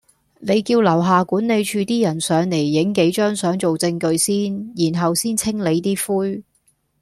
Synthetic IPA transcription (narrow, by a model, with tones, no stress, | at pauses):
ne˨˧jkiː˧wlɐ˨˩wɦaː˨kuː˨˥nle˨˧jt͡ʃʰyː˨˧t̪iː˥jɐ˨˩nsœː˨˧ŋne˨˩jːɪ˨˥ŋke˨˥jt͡ʃœː˥ŋsœː˨˥ŋt͡ʃo˨wt͡sɪ˧ŋkɵ˧ɥsiː˥njiː˨˩nɦɐ˨wsiː˥nt͡sʰɪ˥ŋle˨˧jt̪iː˥fuː˥j